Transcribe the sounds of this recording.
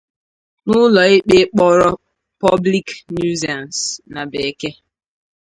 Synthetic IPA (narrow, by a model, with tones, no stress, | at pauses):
nʊ˦lɔ˨e˦k͡pe˦k͡pɔ˦ɾɔ˦ | pɔ˦bli˦knu˦za˨nsna˨be˨ke˦